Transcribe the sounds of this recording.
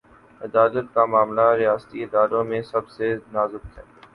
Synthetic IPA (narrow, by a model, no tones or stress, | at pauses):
ɪd̪aːlət̪̚kamaːmlaɾijaːst̪iɪd̪aːɾõmẽsɐbsenaːzʊb̚t̪ɦɛː